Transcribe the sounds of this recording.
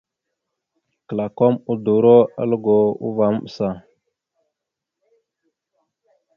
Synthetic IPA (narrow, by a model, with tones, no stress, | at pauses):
kə˨la˨ko˦mu˦du˨ɾo˦a̰˦lə˦ɡo˨ṵ˦va˨m˦ɓə˨sa˨